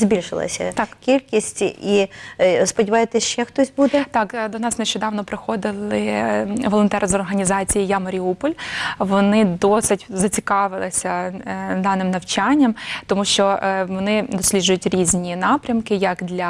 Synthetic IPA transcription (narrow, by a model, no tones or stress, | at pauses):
zʲbʲilʲʃɪlˠɐ̰sʲɐ̰t̪ɑkʲilʲkʲisʲtʲḭispɔdʲɪʋɑjet̪ɛsʃt͡ʃɛxt̪ɔsʲbud̪ɛt̪ɑkd̪ɔnɑsneʃt͡ʃɔd̪ɑʋnɔpɾɪxɔd̪ɪlˠɪʋɔlˠɔnt̪ɛɾɐzɔrɦɐnʲizɑt͡sʲijijamɐɾʲiupɔlʲʋɔnɪd̪ɔsɪtʲzɐt͡sʲi̥kɑʋɪlˠɐsʲɐd̪ɑnɪmnɐwt͡ʃanʲːɐmt̪ɔmuʃt͡ʃɔʋɔnɪd̪ɔsʲlʲidʒʊjʊtʲɾʲizʲnʲinɑpɾʲɐmkɪjɐkd̪lʲɐ